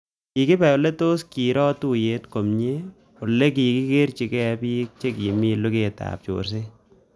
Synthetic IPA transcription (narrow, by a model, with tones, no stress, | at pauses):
ki˨kɪ˦pɛ˨ʊ˨le˦to˦ski˨ɾɔ˦tu˦je˦tko˨mɲe˦ | ʊ˨le˦k̬i˨ki˦ke˦ɾt͡ʃi˨kɛ˦pi˦k̚t͡ʃe˦ki˨mi˦lu˦ke˨ta̰˨p̚t͡ʃo̰ɾs̬ɪ˦